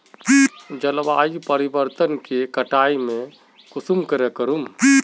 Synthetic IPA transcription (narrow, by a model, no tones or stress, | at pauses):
id͡ʒəlba̰ːjpəɾibəɾt̪ənkekəʈaimẽ | kusumkəɾekəɾumi